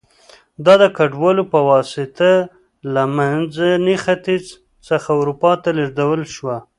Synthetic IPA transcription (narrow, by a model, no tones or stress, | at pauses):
d̪ɑd̪əkaɖwɑlopəwɑsɪt̪a | lamanzanixat̪iz | səxawɾupɑt̪alaʐd̪awəlʃwa